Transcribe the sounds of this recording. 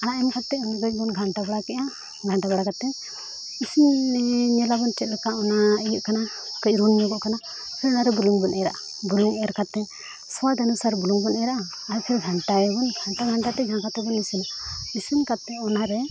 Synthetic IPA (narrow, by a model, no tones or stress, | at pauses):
anaʔɛmkat̪ːɛɔnɡət͡ʃbɔnɡʱaɳʈabaɽakɛʔa | ɡʱaɳʈabaɽakat̪ɛ | isinɲɛlabɔnt͡ʃɛt̪ɾɛkaɔnaəjuʔkanakəʔɾunɲɔɡɔʔkana | pʰiɾɔnaɾɛbuluŋbɔnʔɛɾaʔa | buluŋɛɾkat̪ɛ | swad̪anusaɾbuluŋbɔnɛɾaʔaː | ɾpʰiɾɡʱaɳʈajɔɔnɡʱaɳʈaɡʱaɳʈat̪ɛd͡ʒãŋkat̪ɛbɔnisinisinkat̪ɛɔnaɾɛ